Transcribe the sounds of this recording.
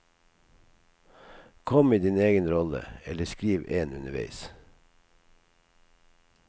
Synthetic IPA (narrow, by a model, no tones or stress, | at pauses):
kʰɔmiːd̪iːneːɡənɾɔlə̰ɛləskɾiːʋeːnʉnəʋæ̰ɪs